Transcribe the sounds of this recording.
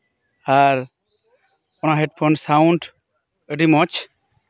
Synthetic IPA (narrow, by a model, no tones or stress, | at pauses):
aɾ | ɔnaɦeʈ̚pʰɔnsawɳʈ | əɖimɔt͡ʃʰ